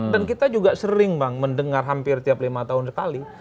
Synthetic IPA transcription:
dankit̪ad͡ʒuɡasəɾɪŋbaŋməndəŋarɦampɪrt̪iaplimat̪aʊnsə̥kali

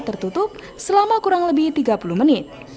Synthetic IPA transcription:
t̪ərt̪ut̪ʊp̚ | səlamakuɾaŋləbɪht̪iɡapuluhmənɪt̪̚

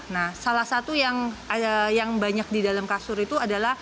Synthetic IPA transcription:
nahsalahsat̪ujaŋ | jaŋbaɲak̚didalamkasʊɾit̪uadalah

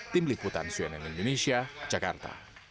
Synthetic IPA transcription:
t̪imliput̪a̰nsuɛnɛnind̪onesiḁd͡ʒaka̰rt̪a̰

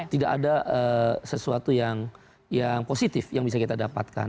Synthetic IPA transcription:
t̪idakadaʔəsəsuat̪ujaŋ | jaŋposit̪ɪfjaŋbis̬akit̪adapa̰t̪̚ka̰n

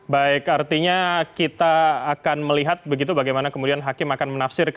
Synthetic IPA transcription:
baɪkart̪iɲakit̪aːkanməliɦat̪̚bəɡit̪̬ubaɡajmanakəmudianɦakɪmakanmənafsɪrk

